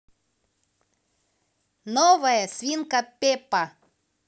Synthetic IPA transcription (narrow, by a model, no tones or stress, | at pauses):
novɐjəsʲvʲinkɐpʲepɐ